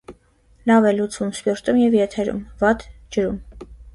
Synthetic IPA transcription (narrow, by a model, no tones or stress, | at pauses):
lɑvɛlut͡sumspjɔɾt̪umjɛvjɛt̪ʰɛɾṵmvɑt̪d͡ʒəɾum